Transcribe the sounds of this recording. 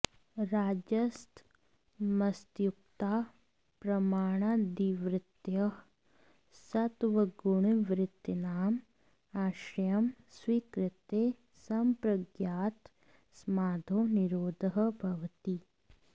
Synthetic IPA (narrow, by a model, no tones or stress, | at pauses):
ɾaːd͡ʒɐst̪ | mɐst̪juk̚t̪aː | pɾɐmaːɽ̃ad̪iʋɾɪt̪jɐɦ | sɐt̪ʋəɡʊɳ̃ʋɾɪt̪ːɐnaːm | aːʃɐjɐmswiːkɾɪt̪e | sɐmpɾɐɡjaːt̪ | smaːd̪ʱoniɾoːd̪ʱəɦbʱɐʋt̪i